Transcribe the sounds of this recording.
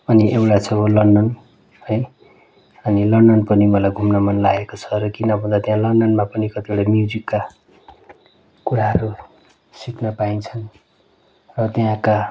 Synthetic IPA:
ʌniʔewʈat͡sʰʌlʌɳɖʌn | hʌj | ʌnilʌɳɖʌnpʌnimʌlajɡʱumnʌmʌnlaɡekot͡sʰʌɾʌkinʌbʱʌ̃nd̪at̪jãlʌɳɖʌnmapʌnikʌt̪ieɽamjud͡zikːa | kuɾaɦʌɾu | sikʰnʌpaint͡sʰʌn | rʌt̪jãka

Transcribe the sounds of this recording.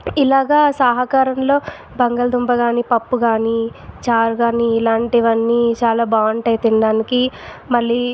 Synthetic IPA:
ilaːɡaːsaːɦɐkaːɾɐmlo̞ː | bɐŋɡɐld̪umbɐɡaːnipɐpːuɡaːnit͡ʃaːɾɡaːniːlaːɳʈiʋɐnːiːt͡ʃaːlaːbaːɳʈɐjt̪iɳɖaːnikimɐlːiː

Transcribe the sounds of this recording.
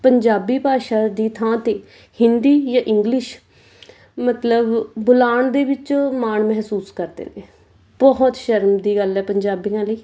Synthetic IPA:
pəɲd͡ʒaːbiːpaːʃaːd̪iːt̪ʰãːt̪eː | hɪnd̪iːjãːʔɪŋɡlɪʃ | mət̪ləbbʊlaːɳd̪eːʋɪt͡ʃmaːɳmɛɦsuːskəɾd̪ḛːneː | bɔɦɔt̪ʃəɾmd̪iːɡəlɛːpəɲd͡ʒaːbiːãːləiː

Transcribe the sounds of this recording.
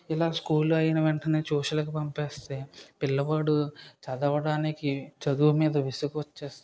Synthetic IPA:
ilaːskuːluɐjɐnɐʋeɳʈɐneːt͡ʃoːʃɐlɐkipɐmpeːst̪e̞ːpilːɐbɐːɽut͡ʃɐd̪ɐʋɐɽaːnikit͡ʃɐd̪uʋɐmiːd̪ɐʋisukɐt͡ʃːeːst̪

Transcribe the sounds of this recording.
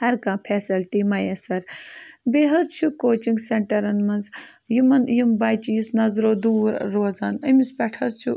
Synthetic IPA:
hɐɾkãːpʰeːsɐlʈimɐjesɐɾbeɦɐd̪t͡ʃʰukoːt͡ʃiŋɡseɳʈɐɾɐnmɐnz | jimɐnjimbɐːjt͡ʃijisnɐzɾoːd̪uːɾɾoːzaːnɐmispʲɛʈʰɐzt͡ʃʰu

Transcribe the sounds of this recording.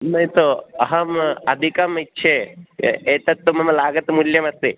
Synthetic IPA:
nɐjt̪oɐɦɐmɐd̪ʱikɐmitːʃʰe | eːt̪ɐt̪ːumɐmɐlaːɡɐt̪muljɐmɐst̪i

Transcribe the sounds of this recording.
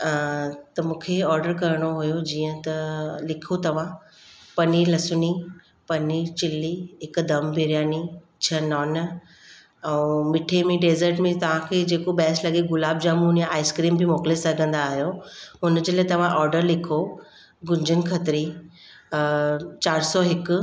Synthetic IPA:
t̪ɐmũːkʰeɔːɾɖəɾkɐɾɪɽ̃oɦujod͡ʑiːə̃t̪ɐlɪkʰot̪ɐʋ̤ã | pɐnilɐsʊni | pɐnit͡ɕɪliɦɪk̆d̪ɐmbʱeɾjaːni | t͡ɕʰɐnɔːn | ɛ̃mɪʈʰemẽɖeːzəɾʈmẽt̪ɐʋ̤ãkʰeːd͡ʑeːkoɓɛːslɐɠeɡʊlaːb̚d͡ʑaːmunjãaːɪskɾiːmbɪmoːklesɐɡʱə̃nd̪aːɦijoɦʊnd͡ʑeːlaːet̪ɐʋ̤ãʔɔːɾɖəɾlɪkʰo | ɡʊ̃ɲd͡ʑʱənɪ̆kʰɐt̪ɾi | t͡ɕaːɾsɔɦɪkʊ̆

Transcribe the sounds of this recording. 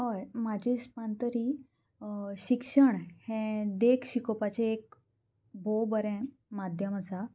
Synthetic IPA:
ɦəjmad͡ʑʱispant̪əɾiː | ɕikʂəɳhɛ̃d̪ekʰɕikopat͡ɕeek̚ | bobəɾɛ̃ | mad̪ʱjəməsa

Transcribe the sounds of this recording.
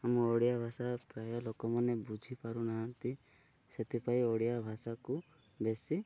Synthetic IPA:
amɔɽijabʱasapɾajɔlɔkɔmanebud͡ʒʱipaɾunaɦənt̪i | set̪ipaiɔɽijabʱasaku | besi

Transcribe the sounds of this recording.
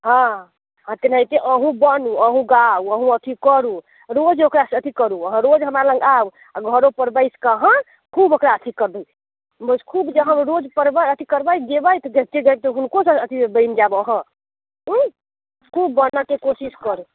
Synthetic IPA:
ɦã | ɦãt̪enait̪eʔəɦũbənuəɦũɡauəɦũət̪ʰikəɾu | ɾod͡ʒokɾasət̪ʰikəɾuəɦə̃ɾod͡ʒɦəmɾalə̃ŋɡau | aɡʱəɾopəɾbəjskəɦə̃ | kʰubokɾaət̪ʰikəɾbəj | bəskʰubd͡ʒəɦəmɾod͡ʒpəɾbəjət̪ʰikəɾbəjd̪ebəjt̪ɔɡet͡ʃeɡəjb̚t̪ɔɦunkosəət̪ʰibəɪnd͡ʒabəɦə̃ | ɦ | kʰubːənəkekosiskəɾu

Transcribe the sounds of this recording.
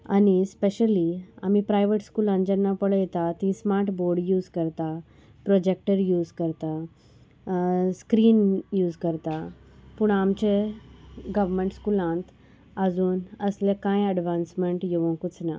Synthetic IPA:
a̰ñispeɕəlia̰m̤ipɾajʋəʈskulãnt̪d͡ʑanːapəɭjɛt̪at̪ĩsmaɾʈboɾɖjuːzkəɾt̪a | pɾɔd͡ʑek̚ʈəɾjuːd͡zkəɾt̪a | skɾiːnjuːd͡zkəɾt̪apuɳamt͡ɕe | ɡəʋmeɳʈskulãnt̪ʰ | əd͡zuːnəslekãjəɖʋãnsmeɳʈjeʋə̃ŋkut͡sna̰

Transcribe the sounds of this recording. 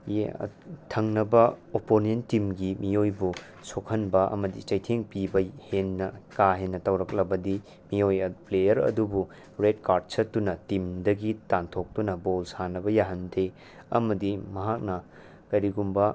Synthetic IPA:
j̰tʰɐŋnɐbɐoponentimɡimijojbu | sokʰɐnbɐʔɐ̰mɐdit͡ʃɐjtʰeŋpibɐhenːɐkaɦenːɐtɐwɾɐk̚lɐbɐdi | mijojɐplejɐɾɐ̰dubu | ɾedkaɾd̚sɐtːunɐtimdɐɡitantʰok̚tunɐbolsanɐbɐjaɦɐnde | ɐ̰mɐdimɐɦak̚nɐ | kɐɾiɡumbɐ

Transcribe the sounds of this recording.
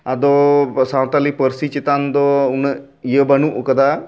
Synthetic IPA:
ad̪ɔsãwt̪alipəɾsit͡ʃit̪and̪ɔun | jəbənuʔkəd̪a

